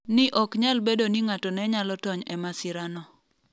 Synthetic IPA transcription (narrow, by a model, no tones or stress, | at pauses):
nɪʔɔkɲalbedoniŋatɔnɛɲalɔtɔɲɛmasɪɾanɔ